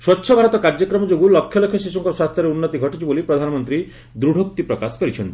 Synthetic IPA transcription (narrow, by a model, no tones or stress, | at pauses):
swɔtːʃʰɔbʱaɾɔt̪ɔkaɾd͡ʒɔkɾɔmɔd͡ʒoɡulɔkʰːjɔlɔkʰjɔsis̬ɔŋkɔswast̪ʰjɔɾeunːɔt̪iɡʱɔʈit͡ʃʰibolipɾɔd̪ʱanɔmɔnt̪ɾi | d̪ɾuɽʱok̚t̪ipɾɔkasɔ̥kɔɾit͡ʃʰɔnt̪i